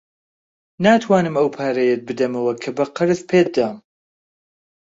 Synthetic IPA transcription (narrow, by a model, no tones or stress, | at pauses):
naːt̪ʰwaːnɨmɐwpʰaːɾɛjet̪̚bɨd̪ɐmɐwɐkʰɐbɐqɨɾɨzpʰeːd̪aːm